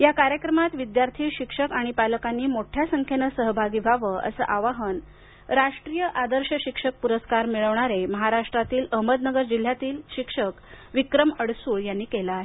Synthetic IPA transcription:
jakaɾjəkɾəmat̪ʋid̪jaɾt̪ʰiːɕikʂəkaɽ̃ipaləkanːiːmoʈʰjasəŋkʰenəsəɦbʱaɡiːbʱaʋəʔə̰sə̰ːʔaʋaɦən | ɾaʂʈɾijəʔad̪əɾɕəɕikʂək̚puɾəskaɾmiɭəʋɳaɾeməɦaɾaʂʈɾat̪iːləɦməd̪nəɡəɾd͡ʑil̤ːjat̪iːlɕikʂək | ʋikɾəməɽsuːɭjanːiːkelaaɦe

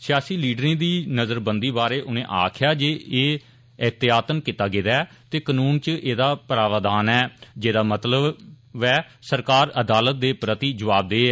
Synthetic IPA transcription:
sɪjaːsiːliːɖɾẽːd̪iːnəzəɾbənd̪iːbaːɾeːʔʊnẽːʔa̰ːkʰjaːd͡ʒeːeː | əɦt̪ɪjaːt̪ənkɪt̪aːɡɪːd̪aɛ | t̪eːkənuːnt͡ʃəʔeːd̪aːpəɾaːʋaːd̪aːnɛːd͡ʒeːd̪aːmət̪ləb | bɛː | səɾkaːɾəd̪aːlət̪̚d̪eːpɾət̪iːd͡ʒəʋaːb̚d̪eː

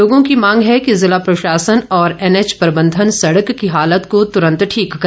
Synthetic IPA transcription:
oːɡõkimãːŋɡɦɛkizɪlapɾoʃaːsənɔːɾɛnet͡ʃpɐɾbə̃nd̪ʱənsɐɽəkːiɦaːlət̪kot̪ʊɾə̃nt̪ʈʰiːkːɐ

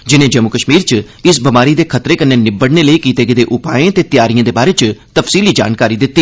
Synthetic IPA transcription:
d͡ʒɪnẽːd͡ʒəmukəʃmiːɾt͡ʃ | ɪsbəmaːɾiːd̪eːkʰət̪ɾeːkənːeːnɪbəɽneːləiːkiːt̪eːɡəd̪eːʔʊpa̰ːẽːt̪eːt̪ɪjaːɾijãːd̪eːbaːɾeːt͡ʃt̪əfsiːliːd͡ʒa̰ːnkaːɾiːd̪ɪt̪ːiː

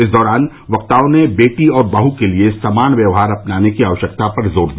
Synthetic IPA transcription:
ɪsd̪ɔːɾaːn | ʋɐk̚t̪aːõnebeːʈiɔːɾbaːɦukeliesamaːnʋjɐʋɦaːɾɐpnaːnekiaːʋəʃjək̚t̪apɐɾzoːɾd̪i

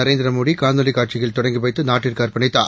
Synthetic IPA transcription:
ɐɾeːnd̪ɪɾɐmoːɽikaːnd̪ɐlikaːʈ̚t͡ʃɪɣɐɭt̪ɔɽɐŋɡipɐɪt̪ːɯnaːʈːɪɾkaːɾpɐɳɪt̪ːa̰ː

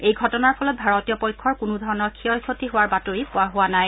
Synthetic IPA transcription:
ejɡʱɔtɔnaɹpʰɔlɔt̚bʱaɹɔtijɔpɔjkʰːɔɹkʊnʊdʱɔɹɔnɔɹkʰiɔjkʰotiɦʊwaɹbatoɹipʊaɦʊwanaj

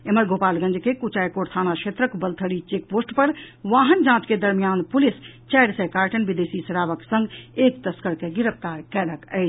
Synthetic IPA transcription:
eməɾɡopalɡə̃nd͡ʒkekut͡ʃajkoɾt̪ʰanaʃʰet̪ɾəkbəlt̪ʰəɽit͡ʃek̚posʈpəɾʋaɦənd͡ʒãt͡ʃked̪əɾmijanpulist͡ʃɛjɽsɛkaɾʈənbid̪esisɾaʋəksə̃ŋɡekt̪əskəɾkeɡiɾəpʰt̪aɾkɛləkəɪt͡ʃʰ

